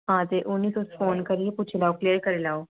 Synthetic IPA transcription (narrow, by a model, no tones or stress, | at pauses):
ɦãːt̪eːʔʊnːiːsoːsfoːnkəɾiepʊt͡ʃʰelaːoːkleːəɾkəɾeːlaːoː